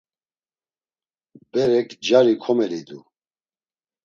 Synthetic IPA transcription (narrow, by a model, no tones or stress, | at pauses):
bɛɾɛkʰd͡ʒaɾikʰɔmɛlid̪u